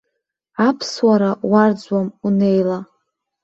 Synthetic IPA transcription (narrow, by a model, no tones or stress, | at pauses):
apʰswaɾaward͡zwamune̞jla